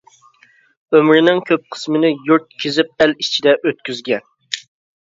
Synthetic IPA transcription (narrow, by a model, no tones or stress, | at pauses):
ømɾɪnɪŋkʲʰøp̚qʰə̥smɪnɪjuɾt̪̚kʲʰezɪp̚ɛlit͡ʃʰid̪ɛʔøt̪̚kʲyzɡʲɛn